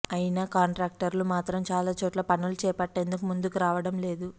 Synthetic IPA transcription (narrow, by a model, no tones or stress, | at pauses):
ɐjinaːkaːɳʈɾaːk̚ʈɐɾlumaːt̪ɾɐmt͡ʃaːlaːt͡ʃoːʈlɐpɐnːulut͡ʃɛːpɐʈːe̞ːnd̪ukumund̪ukuɾaːʋɐɽɐmle̞ːd̪u